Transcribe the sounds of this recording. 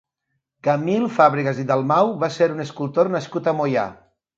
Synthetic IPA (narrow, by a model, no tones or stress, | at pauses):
kamilˠfaβɾiɣəziðalˠmawβaseɾunəskulˠt̪ornaskut̪amoja̰